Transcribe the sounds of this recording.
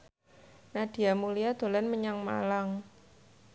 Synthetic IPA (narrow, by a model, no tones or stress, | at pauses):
nad̥i̤amuliad̪̥o̤lɛnməɲaŋma̰laŋ